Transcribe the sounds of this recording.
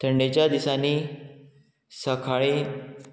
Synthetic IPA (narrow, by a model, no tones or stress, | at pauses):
t̪ʰəɳɖet͡ɕjad̪isaniː | səkʰaɭi